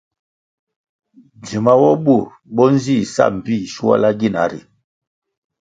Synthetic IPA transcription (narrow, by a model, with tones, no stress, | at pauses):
d͡ʒi˨ma˦wɔ˦ɓu˦˨ | ɓɔ˦n̩˦zi˦˨sa̰˦˨m̩˨pi˦˨ʃu˦a̰˦la˦ɡi˦˨na˨˦ɾḭ˨